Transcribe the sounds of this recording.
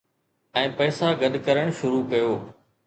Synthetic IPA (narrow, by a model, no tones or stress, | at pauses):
ɛ̃ːpɐːsaɡɐɗ̪kɐɾəɽ̃ʃʊɾukɐjoː